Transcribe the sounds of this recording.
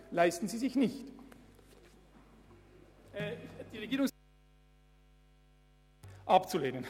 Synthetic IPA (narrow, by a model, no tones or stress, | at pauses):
laɪstn̩ziːzɪçnɪçt | d̥iːʁeɡiːʁʊŋs | ʔɑpt͡suleːnən